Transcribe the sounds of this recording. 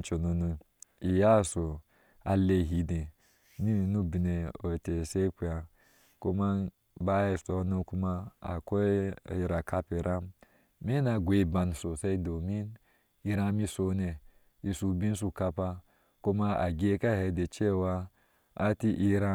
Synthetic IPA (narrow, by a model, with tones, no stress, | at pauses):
t͡ʃo˨no˨nu˨ | i˨ja˦˨so˨ | a˨le˦˨ɦi˨˦de˨ | mi˦˨nu˦bi˨ne˨o˨te˨se˦kʷu˨a˨ | ko˦ma˦ | ba˦e˨so˨˦nu˦ku˦ma˦a̰˨ko˦˨ɾa˨ka˦pe˨ɾa˦m | me˦na˨ɡʷe˨˦ba˨n˨so˨se˦do˨mi˦n | i˦ɾa˦mi˦so˨ne˨ | i˨su˨bĩ˦n˦s̬u˨ka˧pa˦ | ko˦ma˦a̰˨ɡi˦e˦ka˦he˨˦de˨t͡ʃe˦˨wa˦ | a˦ti˦ʔi˦ɾa˦